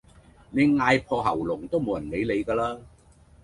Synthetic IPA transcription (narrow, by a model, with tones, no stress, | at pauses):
ne˨˧jŋaː˧jpʰɔː˧ɦɐ˨˩wlʊ˨˩ŋt̪o˥wmo˨˥wjɐ˨˩nle˨˧jle˨˧jkaː˧laː˥